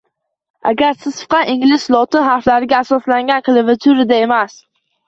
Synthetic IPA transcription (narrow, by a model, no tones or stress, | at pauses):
a̰ɡʲaɾsɪz̥fɨ̥qʰɑɪŋlɪʃlˠɒt̪ʰɪnɦaɾflaɾɪɡʲaːsɒslaŋɡʲankɨlˠɪvat̪ʰʊɾɪd̪ae̞mas